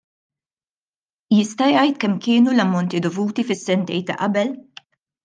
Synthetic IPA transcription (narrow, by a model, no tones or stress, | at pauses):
jɪst̪ɐjɐjt̪kɛmkɪːnulɐmːɔnt̪id̪ɔvuːt̪ifɪsːɛnt̪ɛjt̪ːɐ̰ʔɐbɛl